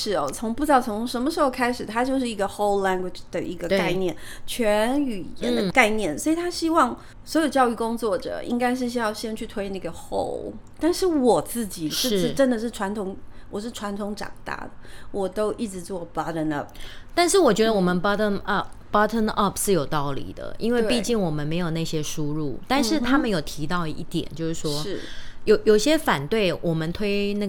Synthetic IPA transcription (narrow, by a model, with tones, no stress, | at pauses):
ʂɻ̩˨˩ɔ˧˩t͡sʰo˧˥ŋpu˥˧t͡sɑ˥˩ʊt͡sʰʊ˧˥ʂə˧˥mə˧ʂɻ̩˧˥xo˧ʊkʰa˥ɪʂɻ̩˨˩t̪ʰa˥t͡ɕjo˥˧ʊʂ̬ɻ̩˥˩i˧˥ɡə˧xo˥ʊlla˥ŋɡwɪ˨˩ʈ͡ʂd̪̥ə˩ʔi˧˥ɡə˧kka˥˧ɪnjɛ˥˩n | t͡ɕʰɥɛ˧˥ny˨˩˨jɛ̰˧˥nd̪ə˧ka˥˧ɪnjɛ˥˩nswɔ˧˥i˨˩t̪ʰa˥ɕi˥wɑ˥˩ŋ | swɔ˧˥jo˨˩ʊt͡ɕjɑ˧ʊy˥˩kʊ˥ŋt͡swɔ˥˩ʈ͡ʂɤ̰˨˩ḭ˥ŋka˥ɪʂ̬ɻ̩˥˩ɕ̬i˥jɑ˥˩ʊɕɛ˥nt͡ɕʰy˥˩t̪ʰwe˥ɪ˥˧nə˥˩ɡə˨˩xo̰˥˩ʊl | t̪a˥˧nʂɻ̩˥˩wɔ˨˩t͡sɹ̩˥˩t͡ɕi˨˩ʂɻ̩˥ʂɻ̩˥˩ʈ͡ʂə˥nd̪ə˨ʂɻ̩˥˩ʈ͡ʂʰwa˧˥nt̪ʰʊ˧˥ŋwɔ˨˩ʂ̬ɻ̩˥˩ʈ͡ʂʰwa˧˥nt̪ʰʊ˧˥ŋʈ͡ʂɑ̰˨˩ŋt̪a̰˥˩d̪ə˩wɔ˨˩t̪o˥ʊʔi˥˩ʈ͡ʂɻ̩˧˥t͡swɔ˥˩b̥ɑ˦˥ɾə˧nə˥˩p̚t̪a˥˧nʂɻ̩˥˩wɔ˨˩t͡ɕɥɛ˧˥d̪ə˧wɔ˨˩mə˦npɑ˥t̪ə˥nɑ˥˩bɑ˥t̪ʰə˥nʔɐ˥˩pʂɻ̩˥˩jo˨˩ʊt̪ɑ˥˩ʊlḭ˨˩d̪ə̰˦i˥nwe˥˧ɪpi˥˧t͡ɕi˥˩ŋwɔ˨˩mə˦nme˧˥ɪjo˨˩na˥˩ɕjɛ˥ʂu˥ɻu˥˩t̪a˥˧nʂɻ̩˥˩t̪ʰa˥mə˨njo˨˩ʊt̪ʰi˧˥t̪ɑ˥˩ʊḭ˥˩t̪jɛ̰˨˩nt͡ɕjo˥˧ʂɻ̩˥˩ʂwɔ˥˩jo˨˩ʊjo˨˩i˨˩ɕjɛ˥fa˨˩nt̪we˥˩ɪwʔɔ˨˩mə˦nt̪ʰwe˥ɪna˥˩